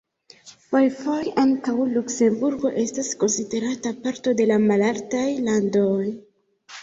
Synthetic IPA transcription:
pojfojaŋkawlukse̞mbuɾɡo̞̰ʔe̞stasko̞nside̞ɾatapaɾto̞de̞lamalaltajlandoj

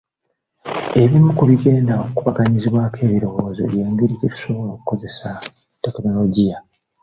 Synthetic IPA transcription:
e̞βimukuβiɡe̞ːndaokuβaɡaɲiziβwakʰe̞ːβiɾo̞βo̞ːzo̞̰βjeːŋɡeɾiɟetu̥so̞βo̞lo̞ːku̥ko̞ze̞sa | tːe̞kno̞lo̞ɟija

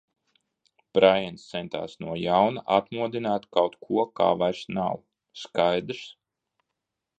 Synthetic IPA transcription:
pɾajɛnst̪sɛnt̪a̰ːsnuɔjawnaʔat̪muɔd̪inaːt̪kawt̪kʰuɔka̰ːvajɾsnaw | skajd̪ɾs

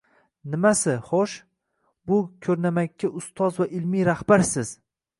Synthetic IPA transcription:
nɪmasɪχoʃ | bʊkʲʰɵɾnamakʲːaʔʊst̪ʰɒzvaʔɪlmijɾahbaɾsɪz̥

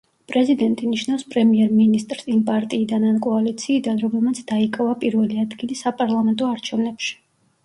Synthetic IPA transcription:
pʼɾɛzid̪ɛnt̪ʼiniʃnafspʼɾɛmiɛɾminist̪ʼɾsimpʼaɾt̪ʼiːd̪anankʼɔalit̪sʰiːd̪anɾɔmɛlmat̪sʰd̪̥aikʼavapʼiɾvɛliad̪ɡilisapʼaɾlˠamɛnt̪ʼɔaɾt͡ʃʰɛvnɛpʃi̥

